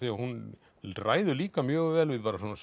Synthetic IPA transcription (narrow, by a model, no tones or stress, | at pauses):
ɛɣahun | ra̰ːjðʏliːkamjœːɣvɛːlvɪðpaːɾasɔːnas